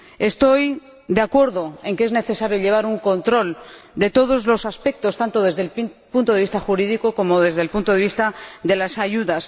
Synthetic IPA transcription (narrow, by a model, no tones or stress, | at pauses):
e̞st̪o̞j | d̪eakwe̞ɾðo̞e̞ŋke̞zne̞θe̞saɾjoʎe̞β̞aɾuŋko̞nt̪ɾo̞l | d̪e̞t̪o̞ð̞o̞zlo̞saspe̞k̚t̪o̞st̪ant̪o̞ðe̞zðelpunt̪oe̞ist̪aχuɾiðiko̞ko̞mo̞ðe̞zðelpunt̪oðe̞βist̪aðe̞lasaʝuðas